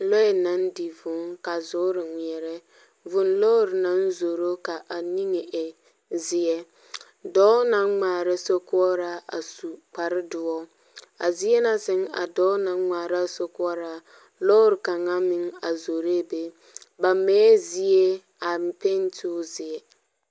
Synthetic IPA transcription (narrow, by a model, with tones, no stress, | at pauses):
lɔ˦ɛ˨na˦n˦di˨vʊ˨˦ŋka˨zʊ˦ɾɪ˨ŋʷi˨ɛ˨ɾɛ˦ | vʊ˨nlo˦ɾɪ˨na˦n˦zo˨ɾo˦ka˨ʔa˨ni˦ŋe˨ʔe˨ | zɪ˨ɛ˦ | dɔ˦na˨˦ŋ͡maː˨ɾɪ˦so˦kʊ˦ɔ˦ɾa˦a̰˨su˨k͡pa˨ɾɪ˦dʊ˨˦ɔ˦ | a̰˨zi˦ɛ˦na˦sɪ˦ŋa̰˨dɔ˦na˨˦ŋ͡maː˨ɾa˦so˦kʊ˦ɔ˦ɾa˨ | lo˦ɾɪ˨ka˨ŋa˦mɪ˦ŋa˨zo˨ɾe˦˨be˦ | ba˨meː˦zi˦e˦ | a˨m˨pe˦n˦tʰu˦zɪ˨ɛ˨